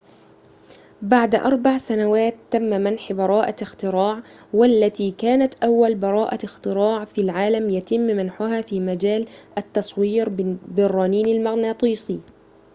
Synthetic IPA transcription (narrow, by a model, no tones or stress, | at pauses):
baʕd̪ʔɑ̰ɾˤbaʕsanawaːt̪ːamːamanħbɑɾˤɑːʔaɪxt̪ɪɾɑːʕwalːat̪iːkaːnat̪ʔawːalbɑɾˤɑːʔaɪxt̪ɪɾɑːʕfilʕaːlamjat̪ɪmːmanħʊɦaːfiːmad͡ʒaːlʔat̪ːɑsˤwiːɾbɪrˤːɑːniːnalmaɣnat̪ˤiːsˤiː